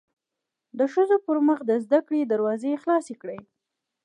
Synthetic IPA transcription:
d̪əʃəzopəɾməxd̪əzd̪akɽed̪aɾwɑzexlɑsekɽəj

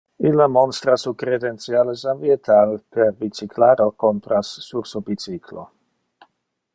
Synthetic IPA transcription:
ilamɔnst̪ɾasukɾed̪ent̪sjalesamviet̪ʰalpeɾbit͡siklaɾokont̪ɾasːuɾsobit͡sikʰlo̰

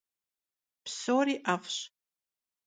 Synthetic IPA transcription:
pʰsoɾiʔafʷɕ

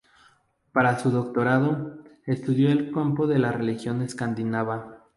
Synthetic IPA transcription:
paɾasuðo̞kt̪o̞ɾaðo̞e̞st̪uðjo̞elkampo̞ðe̞lare̞lixjo̞neskand̪inaβa

